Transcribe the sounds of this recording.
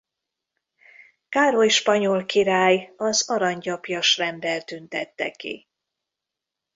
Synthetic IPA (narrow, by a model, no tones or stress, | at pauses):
kaːɾojʃpɒɲolkiɾaːjɒzɒɾɒɲɟɒpjɒʃrɛnb̪ɛlt̪ynt̪ɛt̪ːɛ̰kḭ